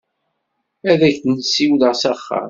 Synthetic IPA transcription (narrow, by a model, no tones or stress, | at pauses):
æðæçnsiwləʁsæχːa̰m